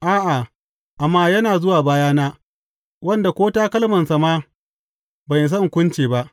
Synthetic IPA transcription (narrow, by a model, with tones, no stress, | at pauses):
ʔaː˦ʔa˨ | ʔa˨mːaː˦jɐ˦naː˨zʊ˦waː˨baː˦jaː˦naː˦ | wɐ˦nda˨kʷoː˦taː˦kɐ˦lmɐ˨nsa˨maː˦ | bɐ˨js̬ɐ˦ŋkʷʊ˦nt͡ʃeː˨ba˦ʔ